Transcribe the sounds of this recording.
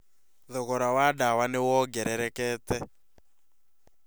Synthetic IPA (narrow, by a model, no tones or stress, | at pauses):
ðɔɣɔɾawadawanewɔɡɛɾɛɾɛkɛːtɛ